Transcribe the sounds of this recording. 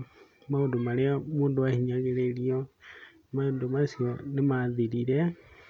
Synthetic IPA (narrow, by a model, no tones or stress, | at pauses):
maundumaleomuːnduahiɲaɣelelio | mandumasionemaðiɾiɾe